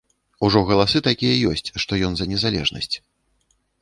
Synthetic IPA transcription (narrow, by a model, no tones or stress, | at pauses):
uʐɔɣɐlˠasɨt̪akʲijɐjɔsʲt͡sʲʂt̪ɔjɔnzɐnʲɛzalʲɛ̰ʐnɐ̰sʲt͡sʲ